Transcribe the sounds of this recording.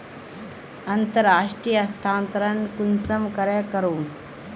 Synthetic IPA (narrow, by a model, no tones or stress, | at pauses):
ɐnt̪əɾaːʂʈɾijəst̪ʰãːnt̪ɾənkunsɐmkɐɾekəɾuːn